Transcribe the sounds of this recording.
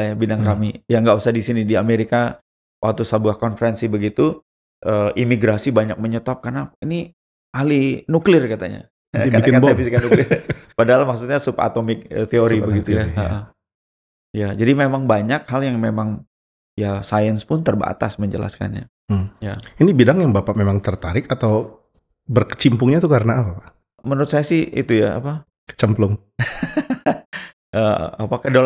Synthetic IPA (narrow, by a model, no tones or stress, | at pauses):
ajabidaŋkamijaŋɡaʔusahdisinidiameɾika | wʔa̰k̚t̪usəbuahkɔnfəɾɛnsibəɡit̪u | ʔəːʔimiɡɾasibaɲak̚məɲət̪ap̚karnaini | halinuklɪrkat̪aɲa̰ | kanakaafisikanuklɪpadaɦalmaksut̪̚ɲasupa̰t̪omɪk̚ət̪eoɾibəɡit̪ujaəʔəh | jad͡ʒadimemaŋbaɲak̚haljaŋmemaŋ | jasajənspʊnt̪ərba̰t̪a̰sməɲd͡ʒəla̰ska̰nɲa̰ | jainibidaŋjaŋbapaʔmemaŋt̪ərt̪aɾɪkat̪aw | bərkə̥t͡ʃimpʊŋɲat̪ukaɾənaːpapa | mənɾʊt̪sajasɪhḭt̪ujaa̰pa | ə̥t͡ʃəmplʊŋ | ʔə̰apakədo